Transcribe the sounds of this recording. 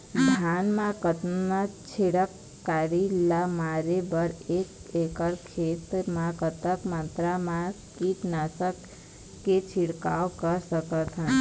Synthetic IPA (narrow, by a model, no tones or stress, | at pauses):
d̪ʱaːnmãkət̪nət͡ʃʰeɽəkː | aːɾilamaːɾebəɾeːkekəɾkʰeːt̪mãkət̪əkmə̃nt̪ɾamã | kiʈnasəkː | et͡ʃʰɪɽkaːwkəɾsəkət̪ɦə̃n